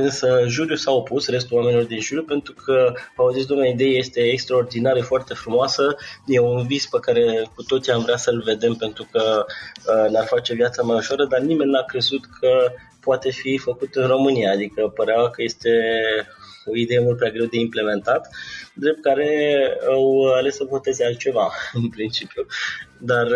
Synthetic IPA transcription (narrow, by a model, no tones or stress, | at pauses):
ɨnsəʒuɾjusao̞pusre̞s̬t̪ulowame̞nilord̪inʒuɾjupe̞nt̪ɾukʰəauzits̬d̪omnaid̪e̞jeje̞st̪e̞ːkst̪ɾao̞rd̪inaɾefoart̪e̞fɾumoasəje̞unvizpəkaɾe̞kut̪o̞t̪sijamvɾeasəlve̞d̪e̞mpe̞nt̪ɾukə | nearfat͡ʃe̞vjat̪səmajuʃoaɾəd̪arnime̞nʲːakɾe̞zut̪kʰə | poat̪e̞fifəkut̪ɨnro̞mɨnijaːd̪ikəpəɾeawkəje̞st̪e̞ | o̞id̪e̞jemult̪pɾʲeaɡɾe̞wd̪e̞imple̞me̞nt̪at̪d̪ɾep̚t̪̚kaɾe̞awale̞sːəvo̞t̪e̞zealt̪̚t͡ʃe̞vaɨnpɾint͡ʃipjud̪ar